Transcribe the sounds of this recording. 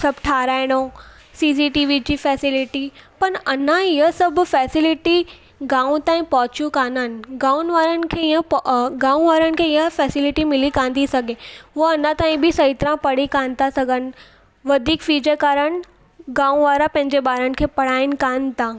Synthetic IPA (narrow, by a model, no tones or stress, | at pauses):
sɐbʈʰaːɾaːɪɽ̃o | siːs̬iʈiːʋid͡ʑiːfɛːsɪlɪʈipɐɾɐnãɪɦəsɐbfɛːsɪlɪʈi | ɡãːũt̪aːĩpɔɦʊt͡ɕjũkãːnənɪ̆ɡaːũnʋaːɾənɪ̆kʰeːɪjə̃ɡãːũʋaːɾənɪ̆kʰeɪɦəfɛːsɪlɪʈimɪlikãːn̆d̪isɐɡʱeoɐnat̪aːĩbʱisɐɦit̪ɾãpɐɽikãːnt̪asɐɡʱənɪ̆ | ʋɐd̪ʱiːkfiːd͡ʑəkaːɾəñ | ɡãːũʋaːɾapɐ̃ɦɪ̃ɲd͡ʑeɓaːɾənɪ̆kʰeːpɐɽ̤aːɪnɪ̆kãːnt̪ãː